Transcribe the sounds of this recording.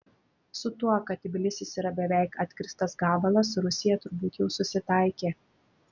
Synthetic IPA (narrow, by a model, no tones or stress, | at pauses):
sʊt̪uɔkɐt̪ʲɪbʲɪlʲɪsʲɪsiːɾɐbʲɛʋʲæˑɪkɐt̪ʲkʲɾʲɪst̪ɐsɡɑːbɐlˠɐs̬ɾʊsʲɪjɛt̪ʊɾbuːt̪jɛʊsʊsʲɪt̪ɑˑɪkʲeː